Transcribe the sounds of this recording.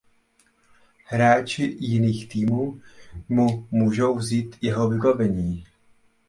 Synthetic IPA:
hɾaːt͡ʃɪjɪniːxt̪iːmuːmumuːʒo̞wvziːt̪jɛɦovɪbavɛɲiː

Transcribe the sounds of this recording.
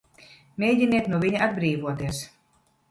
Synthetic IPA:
mʲejɟʲiniɛt̪nuɔvʲiɲaad̪̚bɾiːvuɔt̪iɛs

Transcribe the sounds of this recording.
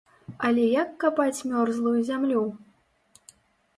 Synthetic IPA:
ɐlʲɛjɐkːapat͡sʲmʲɔrzlˠujuzʲamlʲu

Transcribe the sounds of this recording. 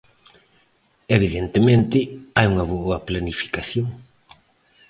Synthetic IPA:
eβ̞iðent̪emẽnt̪ɪajuŋɐβoɐplanifi̥kasjoŋ

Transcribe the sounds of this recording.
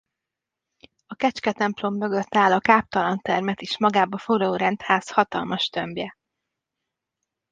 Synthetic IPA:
ɒkɛt͡ʃkɛt̪ɛmplo̞mːø̞ɡø̞t̪ːaːlɒkaːp̚t̪ɒlɒnt̪ɛrmɛt̪eːʃmɒɡaːbɒfoloːɾɛnt̪haːshɒt̪ɒ̰lmɒʃt̪ømbjɛ

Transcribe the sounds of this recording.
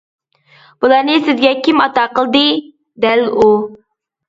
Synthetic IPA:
b̥ulˠɑɾnɨsɪzɡʲɛkʲʰimɑt̪ɑqəlˠd̪ɨ | d̪ɛlu

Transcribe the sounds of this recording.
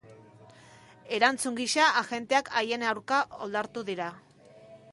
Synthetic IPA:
e̞ɾant͡suŋɡiʃaaɣe̞nt̪eakʰaje̞nawɾkao̞̰ld̪aɾt̪uðiɾa

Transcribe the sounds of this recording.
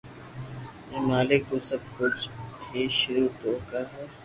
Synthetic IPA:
eːmaːlɪk̚t̪oːsəb̚kʊt͡ʃʰiːʃʊɾuːt̪oːkəɾɦɛː

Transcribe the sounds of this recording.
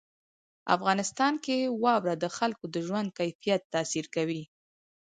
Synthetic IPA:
a̰fɣɑnɪst̪ɑnkewɑwɾad̪əxalkod̪əʒwand̪̚kajfijat̪ːɑsiɾkawi

